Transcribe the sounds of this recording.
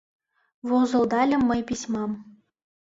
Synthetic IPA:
volzɤ̆lˠd̪ɑlʲɤ̆mːɤ̆jpʲisʲmɑm

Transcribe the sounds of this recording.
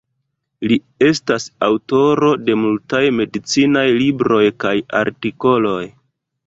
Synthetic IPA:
li | e̞stasawto̞ɾo̞de̞multajme̞dit͡sinajlibɾo̞jkaja̰ɾtiko̞lo̞j

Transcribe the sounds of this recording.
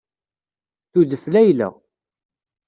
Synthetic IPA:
θudəflæjlæ̰

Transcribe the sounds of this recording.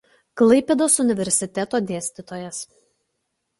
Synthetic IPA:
klˠɐɪpʲɛd̪oːsʊnʲɪʋʲɛɾʲsʲɪt̪ʲɛt̪oːd̪ʲeːsʲt̪ʲɪt̪oːjɛs

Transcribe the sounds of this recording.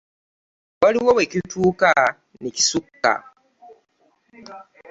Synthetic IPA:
wɐɾiwowekitʰuːka | nici̥sukːa̰

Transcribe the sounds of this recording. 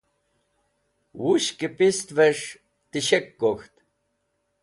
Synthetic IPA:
wuɕkipʼist̪vɛʂ | t̪iɕɛkːɔxt̪

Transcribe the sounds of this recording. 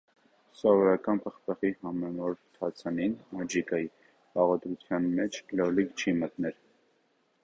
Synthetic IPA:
sɔvɔɾɑkɑnpʰəχpʰəχihɑmɛnɔɾt̪ʰɑt͡sʰɑninɑd͡ʒikɑji | pɑʁɔd̪ɾut͡sʰjɑnmɛt͡ʃʰlɔlikt͡ʃʰimət̪nɛl

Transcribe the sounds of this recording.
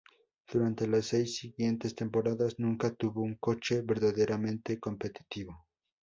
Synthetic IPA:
d̪̥uɾant̪e̞lasːe̞jsːiɣje̞nt̪e̞st̪e̞mpo̞ɾaðaznũŋkat̪uβo̞uŋko̞t͡ʃe̞βe̞ɾðaðeɾʔamẽnt̪e̞ko̞mpe̞t̪i̥t̪iβo̞

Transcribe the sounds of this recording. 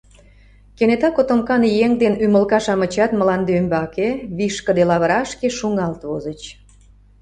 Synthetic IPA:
kenet̪ɑkot̪omkɑnjeŋd̪enyməlkɑʃɑmə̆t͡ɕɑt̪məlɑnd̪eømbɑkeβiʃkəd̪elɑβəɾɑʃkeʃuŋɑlt̪βozət͡ɕ

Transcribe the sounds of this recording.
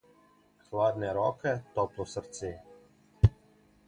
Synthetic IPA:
xlaːd̪nɛɾɔkɛt̪ɔplɔsəɾt̪se

